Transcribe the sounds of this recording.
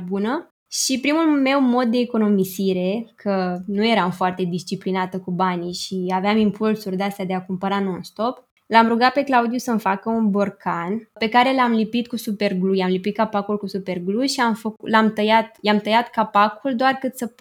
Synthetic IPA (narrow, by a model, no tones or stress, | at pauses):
bunə | ʃipɾimulme̞wmo̞d̪̚ːe̞ːko̞no̞misiɾe̞kʰənuje̞ɾamfoart̪e̞d̪ist͡ʃiplinat̪əkubaniʃiaveamimpulsurʲd̪east̪ad̪e̞akumpəɾano̞nst̪o̞p | lamɾuɡat̪̚pe̞klaud̪ijusəmfakəunborkʰanpe̞kaɾe̞lamlipit̪̚kusupe̞rɡlujamlipit̪̚kapakulkusupe̞rɡluʃiamfəklamt̪əjat̪jamt̪əjat̪kapakuld̪oarkɨt̪sə